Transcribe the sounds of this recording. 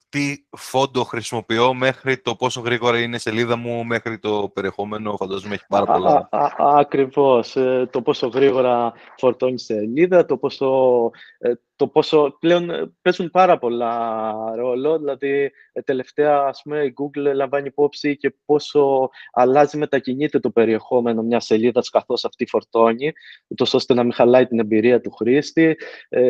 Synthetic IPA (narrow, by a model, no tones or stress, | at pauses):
t̪ifo̞nd̪oxɾisimo̞pio̞me̞xɾit̪o̞po̞soɣɾiɣo̞ɾɐinese̞liðɐmumexɾit̪o̞pe̞ɾie̞xo̞me̞nofɐnd̪ɐzmueçi̥pɐɾɐolɐɐkɾivo̞st̪opo̞so̞ɣɾiɣo̞ɾɐ | fo̞ɾt̪o̞ɲiseʎiðɐt̪o̞po̞so̞ | t̪o̞po̞so̞ple̞o̞npe̞zunpɐɾɐpo̞lɐɾo̞lo̞ðilɐði | t̪e̞le̞ft̪e̞ɐːspume̞iɡuɡllɐɱvɐniipo̞psice̞po̞so̞ɐlɐzime̞t̪ɐciɲit̪e̞t̪o̞pe̞ɾie̞xo̞me̞no̞mɲɐse̞ʎiðɐskɐθo̞sɐft̪ifo̞ɾt̪o̞ɲiut̪o̞so̞st̪e̞nɐmixɐlɐit̪ine̞mbiɾiɐt̪uxɾist̪i